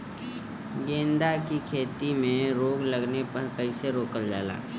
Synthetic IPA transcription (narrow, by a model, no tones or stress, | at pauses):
ɡẽːnd̪akikʰeːt̪imẽɾoːɡləɡnepɐɾkəɪseɾoːkəɾd͡ʒa̰ːla̰ː